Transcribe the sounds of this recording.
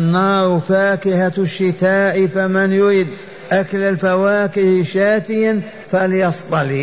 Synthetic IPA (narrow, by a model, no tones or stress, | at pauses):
nːɑːɾˤfaːkɪhaʃːɪt̪aːʔfamɪnjʊɾiːd̪ | ʔakləlfawaːkɪhʃaːt̪ɪjan | faljɑst̪ˤɑliː